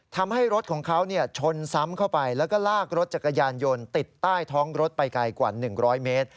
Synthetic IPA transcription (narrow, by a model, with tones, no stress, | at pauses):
t̪ʰa˧mha˥˩jɾo˦˥t̪̚kʰɔː˩˦ŋkʰa˦˥wni˥˩ɐt͡ɕʰo˧nsa˦˥mkʰa˥˩wpa˧jlɛː˦˥wkɔː˥˩laː˥˩k̚ɾo˦˥t̪̚t͡ɕa˨˩kːa˧jaː˧njo˧nt̪i˨˩t̪ːaː˥˩jt̪ʰɔː˦˥ŋɾo˦˥t̪̚pa˧jka˧jkwa̰ː˨˩nɯ˨˩ŋɾɔː˦˥jmeː˦˥t̪̚